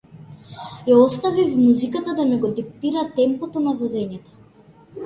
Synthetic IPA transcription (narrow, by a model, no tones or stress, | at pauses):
jaɔst̪avivmuzikat̪ad̪amɛɡɔd̪ik̚t̪iɾat̪ɛmpɔt̪ɔnavɔzɛɲɛt̪ɔ̥